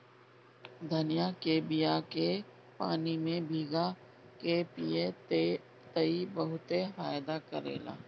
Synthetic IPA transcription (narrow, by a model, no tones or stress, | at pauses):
d̪ʱɐnijakeːbijake | pa̰ːnimẽbʱiːɡa | kepije | t̪ɐibɐɦʊt̪eɦaːjd̪akɐɾḛːla̰ː